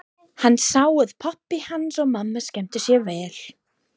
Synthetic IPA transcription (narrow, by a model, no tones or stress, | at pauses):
hanːsaːwʏð̥pʰapːɪhansɔɣmamːascɛm̥t̪ɪsjɛvɛːl̥